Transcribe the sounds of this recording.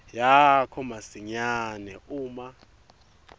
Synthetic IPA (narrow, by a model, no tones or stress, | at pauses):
jakʰɔmasiɲanɛuːma